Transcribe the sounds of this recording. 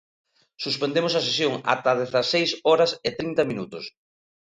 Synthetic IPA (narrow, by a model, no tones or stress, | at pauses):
suspend̪emosɐsesjoŋa̰t̪ɐðeθɐsejsɔɾɐsɪt̪ɾint̪ɐmĩnut̪ʊs